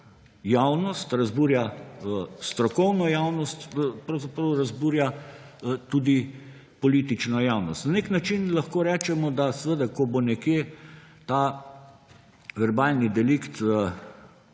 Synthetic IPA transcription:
jawnɔst̪ɾɐzbuːɾja | st̪ɾɔkɔwnɔjawnɔst̪pɾɐwzapɾɔʊɾɐzbuːɾja | t̪uːd̪i | pɔliːt̪it͡ʃnɔjawnɔst̪naneknat͡ʃinlɐxkoːɾɛːt͡ʃɛmɔd̪asɛʋəd̪akɔbonɛkjet̪a | ʋɛɾbaːlnid̪ɛlikt̪

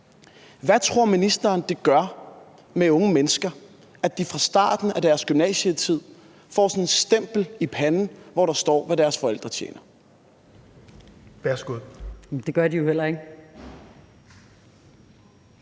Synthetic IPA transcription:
ʋæt͡sʰʁo̝ɐ̰minisd̥ɐːnd̥e̝ɡ̥ɶɐ | meɔ̽ŋəmenəsɡ̥ɐ | æd̥ifʁɑ̈sd̥ɑ̈ːd̥n̩æd̥æɐsɡ̥ymnɛ̰ːɕət͡sʰið̞̰ˠ | fɒ̰ːsɒ̽ne̝sd̥em̰b̥l̩ipʰænn̩ʋɒɾ̥ɑ̈sd̥ɒ̰ːʋæɾæɐsfɒ̽el̰d̥ʁɐt͡ɕʰjḛːnɐ | ʋæɐsɡ̥uð̰ˠd̥e̝ɡ̥ɶɐd̥ijo̝hel̰ɐe̝ɡ̥

